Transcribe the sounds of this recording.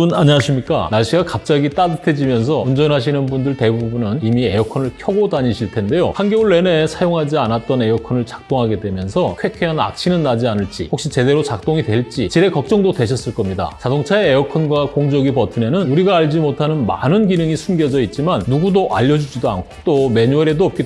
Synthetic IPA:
unaɲiaɕʰimɲik͈a̰naɕʰiɡakap̚t͡ɕ͈aɡit͈adɯtʰe̞d͡ʑimjʌns̬ʰʌund͡ʑʌnɦaɕ̬ʰinɯnbundɯɭte̞bubunɯnimiejʌkʰʌnɯɭkʰjʌɡodaɲiɕʰiɭtʰe̞nde̞jo̰hanɡʌuɭːe̞ne̞sʰajoŋɦad͡ʑianat̚t͈ʌne̞jʌkʰʌnɯɭt͡ɕḁk̚t͈oŋɦaɡe̞dwe̞mjʌnsʰʌkʰwe̞kʰe̞ana̰k̚t͡ɕʰinɯnːad͡ʑianɯɭt͡ɕ͈ḭhokɕ͈it͡ɕe̞de̞ɾot͡ɕak̚t͈oŋidwe̞ɭt͡ɕ͈it͡ɕiɾe̞kʌk̚t͡ɕ͈ʌŋdodwe̞ɕʰʌs͈ɯɭk͈ʌmɲida̰t͡ɕadoŋt͡ɕʰaeːjʌkʰʌnɡwakoŋd͡ʑʌɡipʌtʰɯne̞nɯnuɾiɡaːʎd͡ʑimotʰanɯnma̰nɯnɡinɯŋisʰumɡjʌd͡ʑʌit̚t͡ɕ͈imanːuɡudoʔa̰ʎːʌd͡ʑud͡ʑidoa̰nkʰo̥t͈ome̞ɲueɾedoʌp̚k͈e

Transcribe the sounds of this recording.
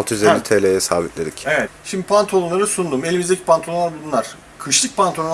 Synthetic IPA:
lˠt̪ʰɯjyzelʲːit̪ʰelʲejɛsaːbit̪lʲed̪icevɛt̪ʃimd̪ipʰant̪ʰo̞lˠunˠaɾɯsund̪uːme̞lʲimizd̪ecʰi̥pʰant̪ʰolˠaɾbulˠunˠaɾ̥ | kʰɯʃlˠɯk̚pʰant̪ʰon

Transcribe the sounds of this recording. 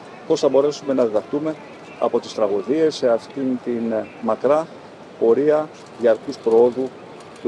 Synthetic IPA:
po̞sθɐbo̞ɾe̞sume̞nɐðiðɐxt̪ume̞ | ɐ̰po̞t̪ist̪ɾɐɣuðie̞se̞ɐft̪int̪inmɐkɾɐ | po̞ɾiɐ | ðiɐɾkuspɾooðu | t̪u

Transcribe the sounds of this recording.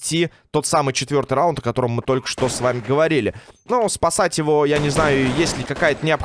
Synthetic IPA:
tʲːi | t̪o̞t̪samɨjt͡ɕɪt̪vʲo̞rt̪ɨjrawnt̪əkɐt̪o̞ɾəmːɨt̪o̞lʲkə̥ʂt̪o̞svamʲɪɡəvɐɾʲilʲɪnuspɐsatʲjɪvo̞janʲɪznajʊjesʲlʲɪkɐkajət̪ənʲɪɐp

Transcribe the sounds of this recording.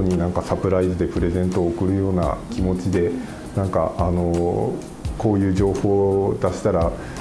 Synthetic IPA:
oɲ̟inãŋkasapɯ̟ɾaizɨd̪e̞pɯ̟ɾe̞zẽ̞nt̪o̞ːkɯ̟ɾɯ̟jo̞ːna̰kʲimo̞t͡ɕid̪e̞ | nãŋka̰ano̞ | ko̞ːjɯ̟ːʑo̞ːho̞ːd̪aɕi̥t̪aɾa

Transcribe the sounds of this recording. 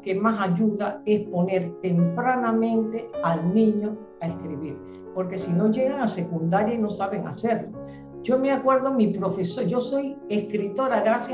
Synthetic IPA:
kemasaʝuðae̞spo̞ne̞ɾt̪e̞mpɾanamẽ̞nt̪e̞alnĩɲo̞ | aeskɾiβiɾ | po̞ɾke̞sino̞ʝe̞ɣaŋase̞kund̪aɾjaino̞saβe̞ŋa̰se̞ɾlo | d͡ʒo̞meakwe̞ɾðomipɾo̞fe̞sod͡ʒo̞so̞je̞skɾit̪o̞ɾaɣɾasj

